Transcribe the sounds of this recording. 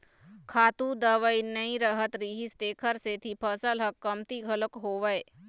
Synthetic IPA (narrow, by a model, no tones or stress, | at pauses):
kʰaːt̪ũd̪əʋəinəĩɾəɦət̪ɾiːɦist̪eːkʰəɾset̪ʰipʰəsəlɦəkːəmt̪iɡʱələkɦoːʋəe